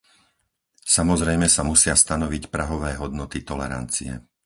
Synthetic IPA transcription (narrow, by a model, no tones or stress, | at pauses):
samɔzɾɛjmɛsamusɪast̪anɔʋicpɾaɦɔʋɛːɦɔd̪nɔt̪it̪ɔlɛɾa̰nt͡siɛ̰